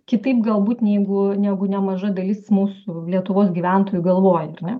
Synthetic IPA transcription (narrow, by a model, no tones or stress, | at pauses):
kʲɪt̪ɐɪpɡɐlˠbuːt̪nʲɛɪɡʊnʲæːɡʊnʲɛmɐʒɐd̪ɐlʲɪsmuːsʊlʲiɛt̪ʊʋoːsɡʲiʋʲæˑnt̪oːjʊɡɐlˠʋoːjɛɐrnʲɛ